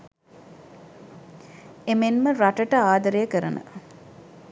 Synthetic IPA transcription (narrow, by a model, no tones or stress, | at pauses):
emenməɾaʈəʈəaːd̪əɾəjəkəɾənə̰